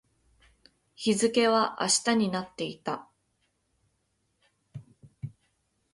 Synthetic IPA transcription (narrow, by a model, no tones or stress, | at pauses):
çizɨke̞β̞aʔa̰ɕi̥t̪aɲ̟inat̪ːe̞it̪a